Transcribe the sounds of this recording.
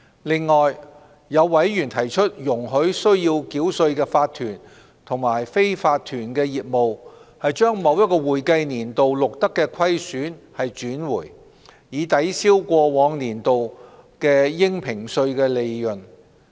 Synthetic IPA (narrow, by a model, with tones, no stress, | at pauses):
lɪ˨˧ŋːɔː˨j | jɐ˨˧wwɐ˨˥jjyː˨˩nt̪ʰɐ˨˩jt͡ʃʰɵ˥t̚jʊ˨˩ŋɦɵ˨˥ɥsɵ˥ɥjiː˧wkiː˨˥wsɵ˧ɥkɛː˧faː˧t̪ʰːyː˨˩n | t̪ʰʊ˨˩ŋmaː˨˩jfe˥jfaː˧t̪ʰːyː˨˩nkɛː˧jiː˨t̚mo˨whɐ˨jt͡ʃœː˥ŋmɐ˨˧wjɐ˥t̚kɔː˧wuː˨˩jkɐ˧jniː˨˩nt̪o˨wlʊ˨k̚t̪ɐ˥kːɛː˧kʰɐ˥jsyː˨˥nhɐ˨jt͡ʃyː˨˥nwuː˨˩j | jiː˨˧˥t̪ɐ˨˥jsiː˥wkʷɔː˧wɔː˨˧ŋniː˨˩nt̪o˨wkɛː˧jɪ˥ŋpʰɪ˨˩ŋsɵ˧ɥkɛː˧le˨jjɵ˨˩n